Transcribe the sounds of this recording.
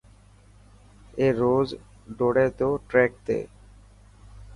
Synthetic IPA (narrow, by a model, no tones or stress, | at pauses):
eɾoz | ɖoɽed̪oʈɾɛk̚t̪ḛ